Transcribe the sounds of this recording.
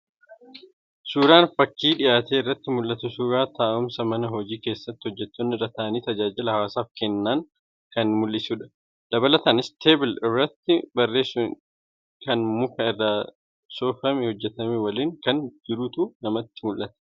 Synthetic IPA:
suːɾaːnfɐkːiːᶑɪʔaːt̪e̞ːɪrːɐt̪ːɪmʊlʔɐt̪ʊsuːɾaːt̪aːʔʊmsɐmɐnɐɦɔd͡ʒiːke̞ːsːɐt̪ːɪ̥hɔd͡ʒːɛt̪ːonːɪrɐt̪ɐːɐniːt̪ɐd͡ʒaːd͡ʒɪlɐhɐwaːsaːfkɛnːaːŋ | kɐnmʊlːɪsuːᶑɐ̥ | d̪̥ɐbɐlɐt̪aːnɪst̪ʰe̞ːbɪlɪrːɐt̪ːɪbɐrːe̞ːs | kɐnmʊkɐɪrːaː | soːfɐmɪhɔd͡ʒːɛt̪ɐmɛwɐliːŋkɐnd͡ʒɪɾʊt̪uːnɐmɐt̪ːɪ̥mʊlʔɐt̪ɛ̥

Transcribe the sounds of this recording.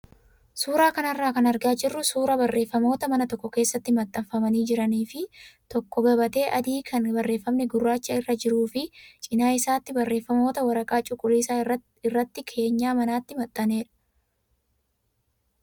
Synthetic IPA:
suːɾaːkɐnɐrːaːkɐnɐɾɡaːd͡ʒɪrːʊsuːɾɐbɐrːe̞ːfːɐmo̞ːt̪ɐmɐnɐt̪ɔkːɔke̞ːsːɐt̪ːɪmɐt̪ʼːɐɱfɐmɐniːd͡ʒɪɾɐniːfɪt̪ɔkːɔɡɐbɐt̪e̞ːʔɐd̪iːkʰɐnbɐrːe̞ːfːɐmnɛɡʊrːaːt͡ʃːɐɪrːɐd͡ʒɪɾuːfɪt͡ʃʼɪnaːɪsaːt̪ːɪbɐrːe̞ːfːɐmo̞ːt̪ɐwɐɾɐkʼaːt͡ʃʼʊkʼːʊliːsaːɐ | ɪrːɐt̪ːɪkʰe̞ːɲːaːmɐnaːt̪ːɪmɐt̪ʼːɐne̞ːɾɐ̥

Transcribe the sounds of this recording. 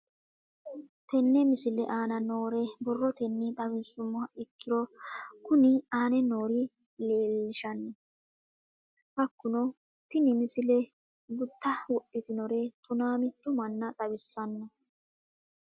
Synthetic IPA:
t̪ɛnːɛmɪsɪlɛʔaːnɐnoːɾɛbɔrːɔt̪ɛnːɪt̪ʼɐbɪnsʊmːɐɪkːɪɾɔkʊnɪaːnɛno̞ːɾɪ | leːlːɪʃɐnːɛ | hɐkːʊnɔ | t̪ːɪnɪmɪsɪlɛ | ɡʊt̪ːɐwɔɗːɪt̪ɪnɔɾɛt̪ʊnaːmɪt̪ːʊmɐnːɐt̪ʼɐbɪsːɐnːɐ

